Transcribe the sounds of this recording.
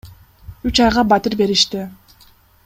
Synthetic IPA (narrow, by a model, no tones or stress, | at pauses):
yt͡ʃɑjʁɑbɑt̪ɯɾbe̞ɾiʃt̪ɪ